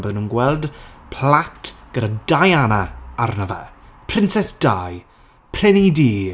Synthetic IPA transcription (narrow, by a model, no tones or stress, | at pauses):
boðənuːnɡwɛlˠdpʰlatʰɡ̥ədadajanaarnəvɛ̰pʰr̥ɪnsɛsd̥aj | pʰr̥ɛnidiː